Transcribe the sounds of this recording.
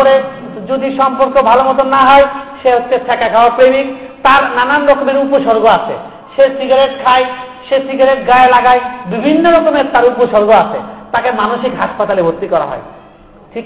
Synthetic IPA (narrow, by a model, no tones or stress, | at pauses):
oɾe | d͡ʑod̪iʃɔmpoɾkobʱalomɔt̪̬onːaɦɔeʃeɦot͡ɕet̪ʰɛkakʰawapɾemik | t̪aɾnananɾɔkomeɾupoʃoɾɡoat͡ɕʰḛ | ʃesiɡaɾeʈkʰaejʃesiɡaɾeʈɡaelaɡajbibʱinːoɾɔkomeɾt̪aɾupoʃoɾɡoat͡ɕʰḛt̪akemanoʃikɦaʃpat̪alebʱot̪ːikɔɾa̰ɦɔ̰e | ʈʰik